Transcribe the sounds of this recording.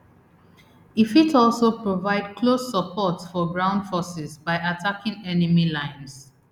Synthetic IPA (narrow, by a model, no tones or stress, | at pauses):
ifitʰɔlˠsopɹovaɪd̚kʰlosəpʰɔtfɔɡɹãʊ̃ndfɔsɪzbaɪʔatʰakʰɪ̃ŋɛnimilãɪ̃ns